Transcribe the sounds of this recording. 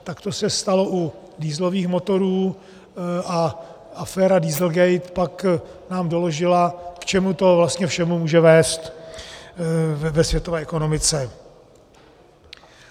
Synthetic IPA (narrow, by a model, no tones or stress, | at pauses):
t̪akt̪o̞sɛst̪alo̞ʔu | diːzlo̞viːxmo̞t̪o̞ɾuː | a | ʔafɛːɾadiːzl̩ɡɛjt̪paknaːmdo̞lo̞ʒɪlakt͡ʃɛmut̪o̞vlast̪ɲɛfʃɛmumuːʒɛvɛːst̪ | vɛsvjɛt̪ovɛːɛko̞no̞mɪt͡sɛ